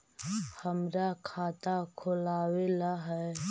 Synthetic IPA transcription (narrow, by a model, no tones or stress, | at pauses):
həmɾakʰaːt̪akʰʊlaːwelaɦɛ